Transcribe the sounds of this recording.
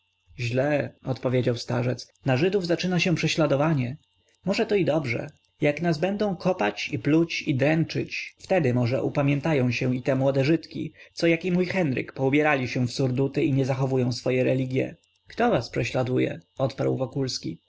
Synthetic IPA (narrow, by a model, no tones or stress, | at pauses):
ʑlɛɔt̪pɔvʲjed͡ʑawst̪aʐɛt̪s | naʐɘd̪uvzat͡ʂɘnaɕɛpʂɛɕlad̪ɔvaɲɛ | mɔʐɛt̪ɔid̪ɔbʐɛ̰ | jaknazbɛnd̪ɔ̃w̃kʰɔpat͡ɕiplut͡ɕid̪ɾɛnt͡ʂɘt͡ɕft̪ɛd̪ɘmɔʐɛ̰ʔupamʲjɛnt̪ajɔ̃w̃ɕɛit̪ɛmwɔd̪ɛʐɘt̪kʲḭt̪sɔjakimujxɛnɾɘ̰kpɔubʲjɛɾalʲiɕɛfsuɾd̪ut̪ɘiɲɛzaxɔvujɔ̃w̃sfɔjɛɾɛlʲiɡʲjɛ̰ | kt̪ɔvaspʂɛɕlad̪ujɛ̰ɔt̪paɾwvɔkulskʲi